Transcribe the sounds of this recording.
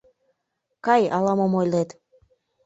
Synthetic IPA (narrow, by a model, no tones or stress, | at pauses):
kɑjɑlɑmomojlet̪